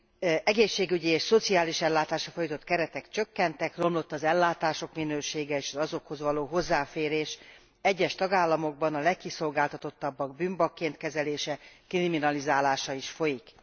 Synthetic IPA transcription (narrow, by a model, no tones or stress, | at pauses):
ɛɡeːʃːeːɡyɟieːʃso̞t̪siaːliʃɛlːaːt̪aːʃrɒfojit̪o̞t̪kɛɾɛt̪ɛkt͡ʃø̞kːɛnt̪ɛkro̞mlo̞t̪ːɒzɛlːaːt̪aːʃo̞kminøːʃeːɡɛeːʃɒzɒzo̞kho̞zʋɒloːɦo̞zːaːfeːɾeːʃ | ɛɟːɛʃt̪ɒɡaːlːɒmo̞ɡ̚bɒnɒlɛkːiso̞lɡaːlt̪ɒt̪o̞t̪ːɒbːɒɡ̚byːmbɒkːeːnt̪kɛzɛleːʃɛkriminɒlizaːlaːʃɒiʃfo̞jik